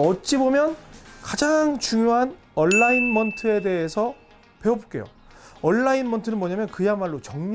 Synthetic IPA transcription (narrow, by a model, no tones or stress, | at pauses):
ʌt͡ɕ͈ibomjʌnkad͡ʑaŋt͡ɕuŋjoɦan | ʌnːainmʌntʰɯe̞de̞esʰʌ | pe̞obok͈e̞̰jo̰ | ʌnːainmʌntʰɯɾɯnmwʌɲamjʌnkɯjanmaɭːot͡ɕʌŋɲ